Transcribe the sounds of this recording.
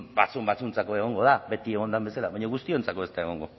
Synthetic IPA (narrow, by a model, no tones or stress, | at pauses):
bat͡sumbat͡sunt͡sakoe̞ɣ̞o̞ŋɡo̞ðaβe̞t̪ieɣo̞nd̪ambesalaβaɲoɣust̪io̞nt͡sakoe̞st̪aeɣ̞o̞ŋɡo̞